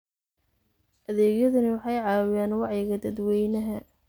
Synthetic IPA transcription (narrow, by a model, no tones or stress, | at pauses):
ʔɐðɛːɡjɐðʊnɪwɑħɑjʕɑːwɪjaːnwɑʕjɪɣɐd̪ɐd̪wɛjnɐɦɐ